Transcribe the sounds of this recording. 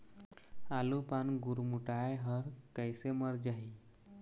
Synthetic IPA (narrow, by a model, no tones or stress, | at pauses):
alupanɡuɾmuʈajɦəɾkəjseməɾd͡ʑaɦi